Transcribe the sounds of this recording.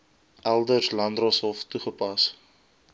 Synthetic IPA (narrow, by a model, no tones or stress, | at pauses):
ʔælˠdərslɐndrɔsɔlftuχəpɐs